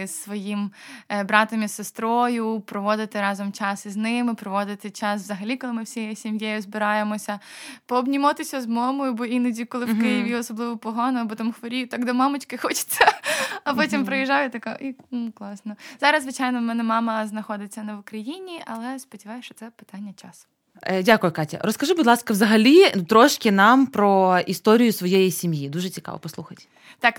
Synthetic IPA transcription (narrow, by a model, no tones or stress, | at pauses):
sːʋɔjimbɾɑt̪ɐmisest̪ɾɔjʊpɾɔʋɔd̪ɪt̪ɪɾɑzɔmt͡ʃɑsɪznɪmɪpɾɔʋɔd̪ɪt̪ɪt͡ʃɑsʋzɐɦɐlʲikɔlˠɪmɪwsʲijɛsʲimjɛjʊzbɪɾɑjemɔsʲɐpɔːbnʲimɔt̪ɪsʲɐzmɔmɔjʊbɔinɐdʲikɔlˠɪʋkɪjɪʋʲiɔsɔblˠɪʋɔpɔɦanɐbɔt̪ɔmxʋɔɾʲijʊt̪ɑɡd̪ɔmamʊt͡ʃkɪxɔt͡ʃɪ̥sʲɐɐpɔtʲimpɾɐjɪʒajʊt̪ɐkaʔinuklˠɑsnɔzɑɾɐzzʋɪt͡ʃajnɔmɛnɛmɑmɐznɐxɔd̪ɪt͡sʲːɐnɛʋʊkɾɐjinʲiʔɐ̰lˠɛspɔdʲɪʋajʊʃt͡ʃɔt̪sɛpɪ̥t̪anʲːɐt͡ʃasʊ̥ | dʲakʊjʊkɑtʲɐ̰ɾɔskɐʒubʊd̪lˠɑskɐʋzɐɦɐlʲit̪ɾɔʃkɪnɑmpɾɔist̪ɔɾʲijʊsʋɔjejisʲimjid̪uʒɛt͡sʲikɑ̰ʋɔ̰pɔslˠuxɐtʲ | t̪ɑk